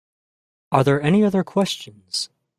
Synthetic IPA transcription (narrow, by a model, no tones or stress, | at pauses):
əɹðə˞ɛniʌðə˞kʰw̥ɛst͡ʃɨ̃nz̥